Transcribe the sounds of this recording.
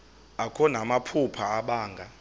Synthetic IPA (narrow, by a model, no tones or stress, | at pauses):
akʰɔnamapʰupʰaaɓaːŋɡʱa